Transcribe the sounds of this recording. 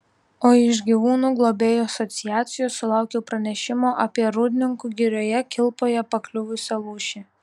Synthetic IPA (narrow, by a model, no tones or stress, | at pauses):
oːɪʒɡʲiʋuːnuːɡlˠoːbʲeːjoɐsɔt̪sʲɪjæːt̪sʲɪjoːsʊlˠɑˑʊkʲɛʊpɾɐnʲɛʃʲɪmoːʔɐpʲiɛɾʊd̪ʲnʲɪŋkuːɡʲɪɾʲoːjɛkʲɪlˠpoːjɛpɐklʲʊʋʊsʲɛlˠuːʃʲe